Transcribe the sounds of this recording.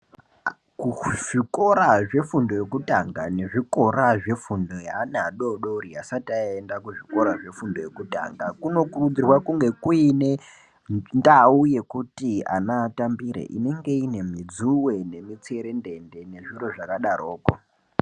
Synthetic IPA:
kuʐiko̞ɾaʐe̞fundo̞je̞kutaŋɡane̞ʐiko̞raʐe̞fundo̞janaɗoɗoriasataendakuʐiko̞ɾaʐe̞fundo̞je̞kuta̰ŋɡakuno̞kurud͡zirwakuŋɡe̞kuine̞ | ndauje̞kutia̰naːtambiɾḛʔḭne̞ŋɡe̞ine̞m̤id͡zuwe̞ne̞mit͡se̞ɾe̞nde̞nde̞ne̞ʐiro̞ʐakaɗaro̞ːko̰

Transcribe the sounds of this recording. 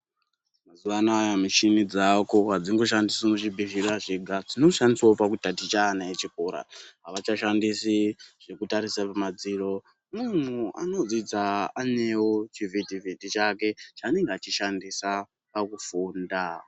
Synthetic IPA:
mazuʋanaajamit͡ʃinid͡zakoɦad͡ziŋɡo̞ʃ̬andisimut͡ʃibʱiʒiraʐiɡʱad͡zino̞ʃandiswaopakutatit͡ʃaːnaet͡ʃikoɾa̰ɦaʋat͡ʃaʃandisiʐ̥ekutaɾisapamad͡ziro̞ | mun̤ua̰no̞d͡zid͡zaane̞wot͡ʃivitivʱitit͡ʃake̞t͡ʃaːne̞ŋɡeat͡ʃiʃandisa | pakufuːnda

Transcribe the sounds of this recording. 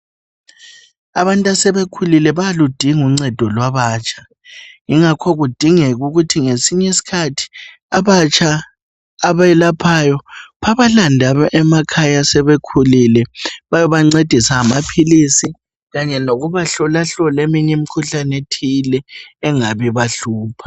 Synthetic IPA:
aβantʼasɛβekʰulilɛβajalud̥ʱiŋuŋ͡ǀɛd̥ʱɔlwaβaːt͡ʃʰʼḁ | iŋakʰɔɣud̥ʱiŋɛɣuɣutʰiŋesiɲɛsi̥kʰatʰi̥ | aβat͡ʃʰʼaː | βaɛlapʰajɔβaβalandʱaɛmakʰajasɛβekʰulilɛβajɔβaŋ͡ǀed̥ʱisaːmapʰilisi | ɣaɲɛnoɣuβaɬɔlaɬɔlemiɲɛmikʰuɬanetʰilɛːŋaβiβaɬuːpʰḁ

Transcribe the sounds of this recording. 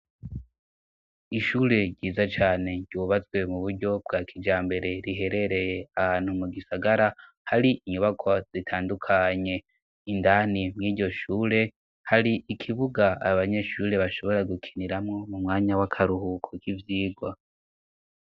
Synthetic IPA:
iʃuːɾe̞ɟiːzat͡ʃaːne̞ɟuβat͡sɡwe̞muβuɾɟo̞bɡakʰid͡ʒaːmbe̞ɾe̞ɾiɦe̞ɾe̞ɾe̞je̞ahaːn̥humuɡisaɡaɾa | haɾiʔiɲuβakʰo̞z̥itʰaːndukʰaɲe̞ | indanimŋiːɟo̞ʃuːɾe̞ | haɾiʔikʰiβuɡaa̰βaɲe̞ʃuːɾe̞βaʃo̞βo̞ɾaɡukʰi̥niɾamŋo̞mumŋaːɲawakʰaɾuhukʰokivjiːɡwa

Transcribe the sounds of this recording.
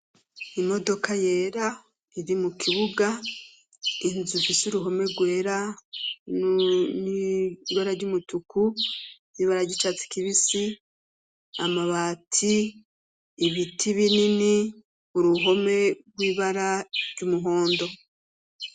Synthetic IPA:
imo̞do̞kajeːɾa | iɾimukʰiβuɡa | inzufisuɾuɦo̞me̞ɾɡwe̞ːɾa | niɡwaɾaɾɟumutuku | iːβaɾaɾɟit͡ʃat͡si̥kiβisi | amaβatʰiː | βitʰiβinini | uɾuɦo̞me̞ɡwiːβaɾaɾɟumuɦo̞ːndo̞

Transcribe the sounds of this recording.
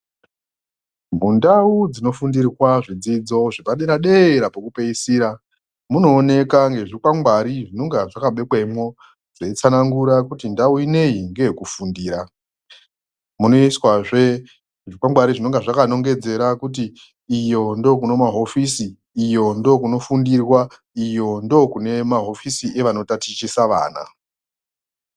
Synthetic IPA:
mundaud͡zino̞fundirirwaʐid͡zid͡zo̞ʐipaɗeɾaɗeɾapokupeisiːɾa | muno̞ːne̞kaŋɡe̞ʐikwaŋɡwaɾiʐino̞ŋɡaʐakaɓe̞kwemwo̞ | ʐeit͡sanaŋɡuɾakutindauine̞iŋɡe̞kufundiːɾa | muno̞iswaʐe | ʐikwaŋɡwaɾiʐino̞ŋɡaʐakano̞ŋɡe̞d͡ze̞ɾakut̬iː | jo̞ndo̞kuno̞maɦo̞fisiː | jo̞ndo̞kuno̞fundirwa | ijo̞ndo̞kune̞maɦo̞fisiʔe̞ʋano̞tatit͡ʃisaʋa̰ːna̰

